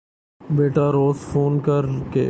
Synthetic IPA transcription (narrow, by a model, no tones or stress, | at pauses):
beːʈaɾoːzfoːnkəɾkḛː